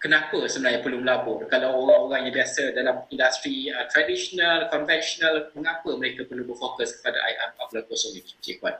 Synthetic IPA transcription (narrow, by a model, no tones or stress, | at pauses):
kənãpəsəmənaɦɲapərluməlabʊʔkalawoɾaŋoɣaŋjãbiasadalamĩndast̪ɾiət̪ɾadiʃonalkɔnvɛnʃɔnalməŋãpəməɾekapərlubərfokəskə̥pada̰ʔa̰jʔa̰p̚ɔflakosoŋnikit͡ʃḭkwa̰t̚